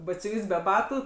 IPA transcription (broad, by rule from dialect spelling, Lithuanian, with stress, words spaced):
bɐtʲsʲʊˈʋʲiːs bʲɛ ˈbɑːtʊ